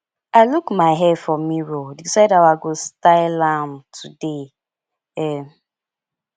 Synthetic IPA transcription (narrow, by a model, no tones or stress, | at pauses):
aɪlukmaɪɦɛdfɔmiɹodisaɪdawaɡostaɪlãmtʰude | ɛ